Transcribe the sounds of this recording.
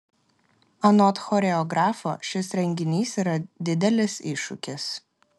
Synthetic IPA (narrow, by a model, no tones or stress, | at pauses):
ɐnɔt̪xɔɾʲɛɔɡɾɑːfo̰ːʃʲɪsɾʲɛŋʲɡʲɪnʲiːsiːɾɐd̪ʲɪd̪ʲɛlʲɪsɪʃʊ̰kʲɪs